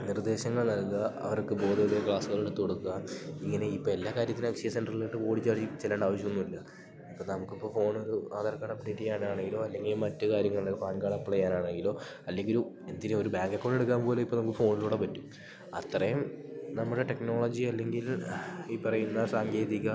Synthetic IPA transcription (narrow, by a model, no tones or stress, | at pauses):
nird̪e̞ːɕɐŋːɐɭnɐlkɐɐ̰ʋɐrkɨbo̞ːd̪ɐlekɭaːsuɣɐɭeɽt̪oɽukːuamiŋːɐne̞ipːoːe̞lːaːkaːɾjɐt̪ːinmɐkʂijɐsenɖrɐɭiɭiʈːɨko̞ːɽit͡ɕːaʋrit͡ɕelːaːɳɖaːʋɐɕ̬ikːunːuilːɐ | ipːoːnɐmukːipːo̞ːfo̞ːɳo̞ɾuaːðɐrkaːɽɐpːɐniʈːijaːɳaːɳe̞ŋɡilo̞ːɐlːe̞ŋɡilumːɐtːɨkaːɾjɐŋːɐɭleufaːnkaːɽɐpːiɭɐjaːnaːɳe̞ŋɡilo̞ː | ɐlːe̞ŋɡilum | e̞nd̪inuo̞ɾubaːŋɡɐkːoɳɖeɽukːaːmpo̞ːleipːonɐmukːɨfo̞ːɳiluːɽe̞pɐtːum | ɐ̰t̪ːrɐjumnɐmːuɽeʈe̞kno̞ːɭod͡ʑiɐlːe̞ŋɡiliːpːɐrɐjunːɐsaːŋɡe̞ːðikʲːɐ